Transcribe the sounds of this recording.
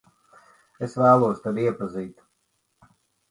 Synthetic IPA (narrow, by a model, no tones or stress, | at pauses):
esvæːlˠuɔst̪ad̪iɛpaziːt̪